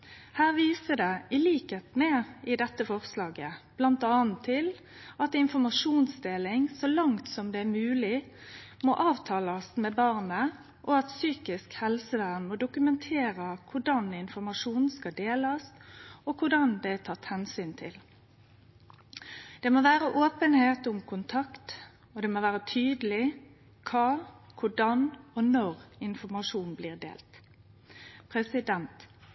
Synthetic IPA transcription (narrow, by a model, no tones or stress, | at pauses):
hæːʁʋiːsəd̪ɛɪliːkeːt̪meːɪd̪ɛt̪ːəfɔʁslɑːɡəb̥lɑnt̪ɑːnt̪ʰːɪl | ɑt̪ɪnfɔʁmɑʂuːnsd̪eːlɪŋsɔlɑŋt̪sɔmd̪ɛæmʉːlɪ | mɔʔɑːʋt̪ʰɑːlɑsmɛbɑːʁnə | ʔɔɑt̪syːkɪskhɛlsəʋæːnmod̪ʊkʉmɛnt̪ʰeːɾəkʰʊɖɑnɪnfɔʁmɑʂuːnskɑd̪eːlɑst̪ɔkʰʊɖɑnd̪ɛt̪ʰɑt̪ːhɛnsyːnt̪ʰɪl | d̪̥ɛːmoːʋæːɾəʔoːpənheːt̪ʊmkʰʊnt̪ʰɑkt̪ | ɔd̪ɛːmoːʋæːʁət̪ʰyːd̪əlɪ | kʰɑːkʰʊɖɑnɔnɔɾɪnfɔmɑʂuːn̩bliːʁd̪ḛːlt̪ | pʰʁɛsɪd̪ɛnt̪